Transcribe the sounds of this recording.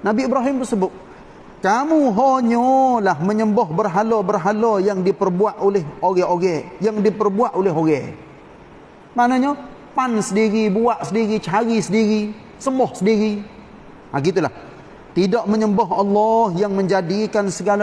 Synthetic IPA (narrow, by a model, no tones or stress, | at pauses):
nabiibɾaɦɪmt̪ərsəbʊt̪̚ | kamuɦoɲɔlahməɲəmbɔɦbərɦalɔbərɦalɔjaŋdipərbuaʔolɪhoɡɛʔoɡɛjaŋdipərbuaʔolɪɦoɣɛ | maʔnaɲa | pansədiɾibuaʔsədiɾit͡ʃəɦaɾisədiɾi | səmɔhsədiɾi | aɡit̪ulah | t̪idɔʔməɲəmbɔɦɑlːɔhjaŋməɲd͡ʒadikansəɡala